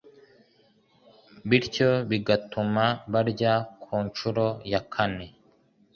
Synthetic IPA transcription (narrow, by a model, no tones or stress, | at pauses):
βiɾco̞βiɡatumaβaɾɟakʰuːnt͡ʃuɾo̞jakʰane̞